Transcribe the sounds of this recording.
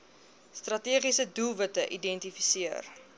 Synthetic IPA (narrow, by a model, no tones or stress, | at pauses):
strɐtiəχisədulˠvətəʔidɛntifisiər